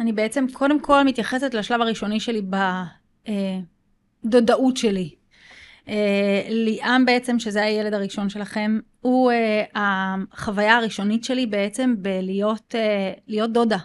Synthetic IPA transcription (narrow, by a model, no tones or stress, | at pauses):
anibe̞et͡se̞mkʰo̞de̞mkʰo̞lmit̪jaχe̞se̞tlaʃlavaʁiʃo̞niʃe̞liba | e | do̞daʔutʃe̞li | eliʔambe̞et͡se̞mʃe̞zeaje̞le̞daʁiʃo̞nʃe̞laχe̞m | ueaχavajaaʁiʃo̞nitʃe̞libe̞et͡se̞mbelijo̞telijo̞t̚d̪o̞da